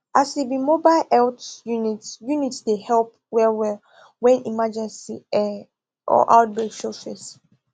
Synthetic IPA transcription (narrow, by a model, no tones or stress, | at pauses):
ʔasdebimobaɪlɛltjunitjunitdehɛlp̚ | wɛlwɛl | wɛ̃nimad͡ʒɛ̃nsiɛ | ɔ̰ʔaʊt̚beksɔfɛs